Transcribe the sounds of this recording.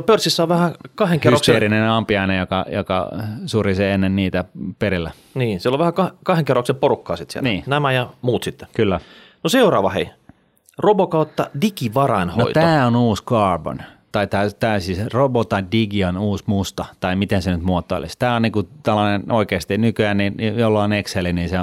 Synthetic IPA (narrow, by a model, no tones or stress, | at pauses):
pørsːisːæoʋʋæhækɑheŋkerrokseieɾinenɑmpiɑinejokɑ̰jo̰kɑ̰suriseenːenniːt̪æpeɾilːæ | niːsiloʋæhækɑkɑheŋkeroksemporukːɑ̰ːsit̪sḭḛlnniːnæmæjɑmuːt̪sit̪ːe̥kylːæ | noseurɑːʋɑhḛi | robokɑut̪ːɑ̰dikiʋɑrɑnhno̰ḭt̪æːonuːskɑːrbo̰n | t̪ɑit̪æːt̪æysiːsrobot̪ɑidiɡionuːsmust̪ɑt̪ɑimit̪ensenyt̪muot̪ːˑo̰lḭst̪æːonniːkut̪ælːɑnenoikeːst̪inykyænninjolːɑonekseliniːse